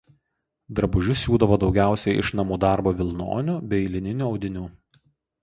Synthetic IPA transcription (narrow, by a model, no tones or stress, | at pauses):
d̪ɾɐbʊʒʲʊsʲuːd̪ɐʋoːd̪ɒʊɡʲæˑʊsʲɛɪʔɪ̰ʃnɐmuːd̪ɑˑɾboːʋʲɪlˠno̰ːnʲʊbʲɛɪlʲɪnʲɪnʲuːɒʊd̪ʲɪnʲuː